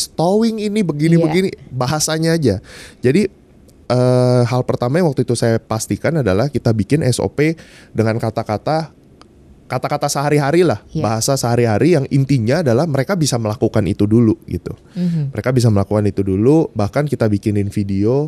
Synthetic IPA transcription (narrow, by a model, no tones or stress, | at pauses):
st̪owɪŋinibəɡinibəɡinibaɦasaɲaːd͡ʒad͡ʒadi | əːɦalpərt̪amajaŋwak̚t̪uit̪usajapast̪ikanadalahkit̪abikɪnʔɛ̰so̰pe | dəŋankat̪akat̪a | kat̪akat̪asəɦaɾiɦaɾilahbaɦasasəɦaɾiɦaɾijaŋint̪iɲaːdalahməɾekabisaməlakukanḭt̪uduluɡḭt̪ṵ | məɾekabis̬aməlakukanit̪udulubahkankit̪abikɪnɪnfidio